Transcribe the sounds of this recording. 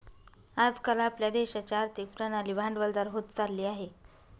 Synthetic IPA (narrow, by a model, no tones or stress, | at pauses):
ad͡zkalaːpljad̪eɕat͡ɕaɾt̪ikpɾənalibʱãɳɖʋəld̪aɾɦot̪t͡salːiːaɦe